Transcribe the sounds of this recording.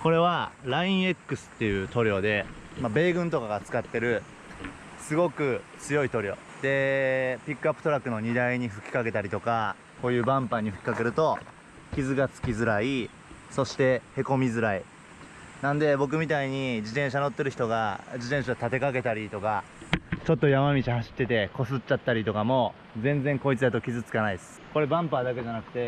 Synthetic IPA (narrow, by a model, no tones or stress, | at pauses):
ko̞ɾe̞β̞aɾaĩɰ̃e̞kːɯ̟sɨ̥t̪ːe̞jɯ̟ːt̪o̞ɾʲo̞ːd̪e̞mabe̞ːɡɯ̟̃nt̪o̞kaɡat͡sɨ̥kat̪ːe̞ɾɯ̟ | sɨɡo̞kɯ̟t͡sɨjo̞it̪o̞ɾʲo̞ | d̪̥e̞pʲikːɯapːɯ̟t̪o̞ɾakːɯ̟no̞ɲ̟id̪aiɲ̟iɸɯ̟kʲi̥kak̬e̞t̪aɾʲit̪o̞ka | ko̞ːjɯ̟ːbãmpaɲ̟ːiɸɯ̟kʲi̥kake̞ɾɯ̟t̪o̞ | kʲizɨɡat͡sɨ̥kʲizɨɾai | so̞ɕi̥t̪e̞he̞ko̞mʲizɨɾai | nãnd̪e̞bo̞k̬ɯ̟mʲit̪aiɲ̟id͡ʑit̪ẽ̞ɰ̃ɕ̬ano̞t̪ːe̞ɾɯ̟çi̥t̪oɡad͡ʑit̪ẽ̞ɰ̃ɕat̪at̪e̞kake̞t̪aɾʲit̪o̞ka | t͡ɕo̞t̪ːo̞jamamʲit͡ɕihaɕi̥t̪ːe̞t̪e̞ko̞sɨt͡ɕːat̪ːaɾʲit̪o̞kamo̞ | d͡zẽ̞nd͡zẽ̞ŋko̞it͡sɨd̪at̪o̞kʲizɨt͡sɨ̥kanaiesɨ̥ko̞ɾe̞bãmpaːd̪ake̞ʑanakɯ̟̥t̪e̞